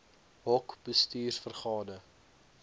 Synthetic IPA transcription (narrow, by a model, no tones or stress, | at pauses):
ɦɔkb̥əstiːrfərχɑːdə